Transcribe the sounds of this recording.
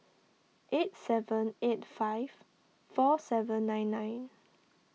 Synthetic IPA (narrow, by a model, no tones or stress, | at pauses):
ʔet̚sɛvə̃netfajv̥ | fɔsɛvə̃nːãjnːãjn